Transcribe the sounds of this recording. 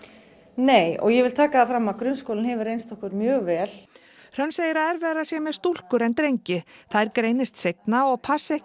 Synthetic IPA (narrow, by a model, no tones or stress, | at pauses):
neːjɔ̰ɣjɛvɪlt̪ʰaːkaðafɾamːaðkɾʏnskowlɪnhɛvʏɾejnst̪ɔhkʏɾmjœːɣvɛːl | r̥œnseːjɪɾaðɛɾvɛːɾasjɛmɛðst̪ul̥kʏɾɛnt̪ɾejɲcɪθaðɛɾkɾeːjnɪst̪sejt̪naɔɣpʰasɛh